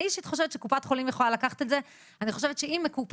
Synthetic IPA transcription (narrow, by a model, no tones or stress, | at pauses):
iʃit̪χo̞ʃevetʃekupat̪χo̞limjeχolalakaχḁt̪eze | aniχo̞ʃevetʃeimːekup